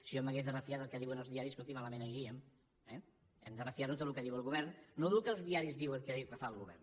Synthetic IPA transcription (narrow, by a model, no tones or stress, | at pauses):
sioməɣezðərəfiat̪əlˠkɛðiwənəlˠzðiaɾiskut̪imaləmẽnəjɾiəm | ɛ | ɛmd̪ərəfiaɾnut̪ot̪lukəðiwəlˠɣuβ̞ɛɾnːoðlukəlˠzðiaɾizðiwəŋkəðiwkəfalˠɣuβɛ̰rn